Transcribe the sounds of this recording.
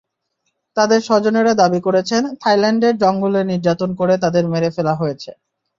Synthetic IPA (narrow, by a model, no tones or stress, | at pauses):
t̪ad̪eɾʃɔd͡ʑoneɾad̪abikoɾet͡ɕʰent̪ʰajlɛɳɖeɾd͡ʑɔŋɡuleniɾd͡ʑat̪onkoɾet̪ad̪eɾmeɾefelaɦojet͡ɕʰe